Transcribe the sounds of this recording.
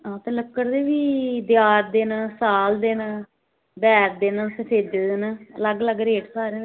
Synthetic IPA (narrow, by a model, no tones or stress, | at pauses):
ãːt̪eːləkːəɾd̪eːʋiːd̪jaːɾd̪eːnaːsaːld̪eːnaː | bɛːɾd̪eːnaːsəsʰeːd̪eːd̪eːnaːələɡələɡɾeːʈsaːɾeːn